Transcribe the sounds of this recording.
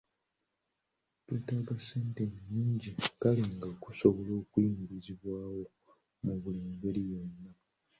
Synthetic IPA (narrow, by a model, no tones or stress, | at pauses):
tweːtaβase̞ːnte̞ɲːiːɲɟikaliŋɡakusoβo̞lo̞ːkwiimiɾiziβwaːwo̞ | muβuleːmɡe̞lijenːa